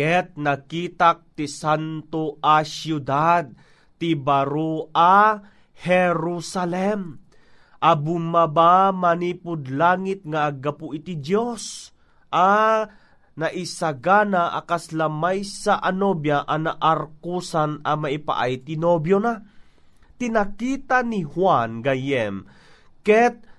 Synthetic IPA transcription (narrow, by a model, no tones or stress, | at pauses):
ɛt̪̚nakiːt̪ak̚t̪isant̪oʔasjud̪ad̪̚ | t̪ibaɾoa | hɛɾusalɛm | ʔabʊmabamaniːpʊd̪laːŋit̪̚ŋaʔːɡapʊʔit̪id̪jos | ʔa | naʔisaɡanaʔa̰kaslamajsaʔanobjaʔanaʔaɾkusanɐmaʔipa̰ʔa̰jt̪ɪnobjona | t̪inakiːt̪anihwanɡajɛm | kɛt̪̚